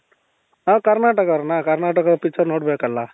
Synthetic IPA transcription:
ãkəɾnaʈəkɔɾnakəɾnaʈəkɔɾpit͡sʰʌɾnoʈbʱekəlːa

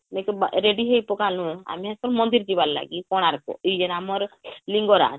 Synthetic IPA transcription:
nekɔbaɾeɖiɦejpɔkalũa̰miɦaskɔnmɔnd̪iɾd͡ʒibaɾla̰ɡikɔɽ̃aɾkɔ̰id͡ʒenamɔɾliŋɡɔɾa̰

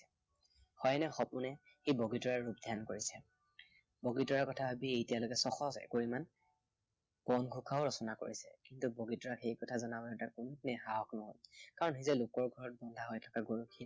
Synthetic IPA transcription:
hɔjnɛxɔpʊnɛ | xiboɡitɔɹaɹupdʱjankoɹisɛ | boɡitɔɹaɹkɔtʰabʱabiejtijalokɛsɔxɔsɛ̰koɹiman | bɔnɡʱukʰaʊɹɔsɔnako̰ɹisɛ̰kintuboɡitɔɹaxejkɔtʰazɔnabɔɔtakunupnɛxaɦɔknɔɦɔjkaɹɔnxizɛlokɔɹɡʱɔɹɔt̚bɔndʱaɦojtʰɔ̥kaɡuɹukʰːi

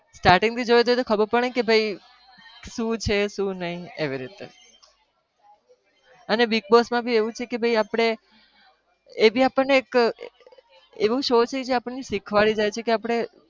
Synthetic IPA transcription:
sʈaɾʈɪ̃ŋɡt̪ʰid͡ʒojd̪ojt̪okʰəbəɾpəɳ̃əikebʱəi | ʃũt͡ʃʰeʃũnəɦĩeʋiɾit̪ḛ | ənebik̚bosmãbʱieʋũt͡ʃʰekebʱəiapɽ̃e | ebʱiapəɳnːeːk | eʋũʃot͡ʃʰeked͡ʒeapəɳniʃikʰʋaɭid͡ʒajt͡ʃʰekeapɽ̃e

